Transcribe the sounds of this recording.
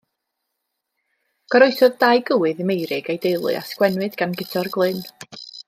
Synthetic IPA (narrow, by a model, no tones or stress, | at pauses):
ɡ̥ɔɾoɨsɔðdajɡəwɨðəmejɾɪɡejdejlˠɨ̰a̰skwɛnwɨdɡanɡɪtʰɔrɡlˠɨn